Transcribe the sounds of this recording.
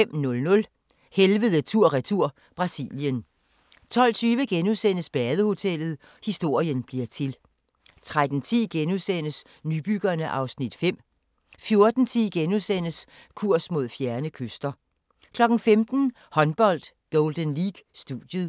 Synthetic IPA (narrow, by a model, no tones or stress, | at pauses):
em̰nɔ̽lnɔ̽l | helʋəðˠət͡sʰuɐ̰ʁit͡sʰuɐ̰ | b̥ʁɑ̈sḭljən | t͡sʰɒ̽l̰t͡sʰyːʋəɡ̥enusen̰əsb̥ɛːðˠəho̝t͡sʰel̰ð̞̩ˠ | hisd̥o̝ɐ̰jənb̥liɐ̰t͡sʰe̝l | t͡sʰʁad̥n̩t͡sʰḭːɡ̥enusen̰əs | nyb̥yɡ̥ɐnəʔɑ̈ʊsnid̥fem̰ | fjo̝ɐd̥n̩t͡sʰiːɡ̥enusen̰əs | kʰuɐ̰smo̝ð̞̰ˠfjæɐnəkʰøsd̥ɐ | kʰlɒ̽ɡ̥n̩femd̥n̩ | hɒ̽nb̥ɒ̽l̰d̥ | ɡ̥ɔʊld̥ənliːɡ̥sd̥uðˠjəð̩ˠ